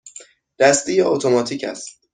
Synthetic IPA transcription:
d̪̥æst̪ijeot̪ʰomɒːt̪ʰiːcʰæ̰st̪̚

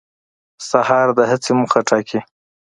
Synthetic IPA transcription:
sahɑɾd̪əɦat͡semuxaʈʰɑkʰi

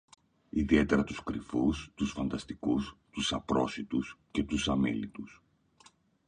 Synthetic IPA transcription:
iðie̞t̪e̞ɾɐt̪uskɾifust̪usfɐnd̪ɐst̪ikust̪usɐpɾo̞sit̪usce̞t̪usɐmḛlḭt̪us

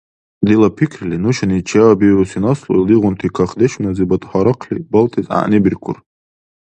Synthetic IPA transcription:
d̪ilapʰikʰrlinuʃanit͡ʃʰawabiɾusinaslo̰ildiʁʊnt̪ʰikʰaχd̪eʃmnazibat̪ʼħaɾaqʰlibaltʰʼiza̰ʔnibirkʷʰʊ̰r

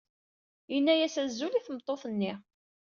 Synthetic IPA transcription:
jənːæjæsæzːuliθəmət̪ˤːoθˤənːi

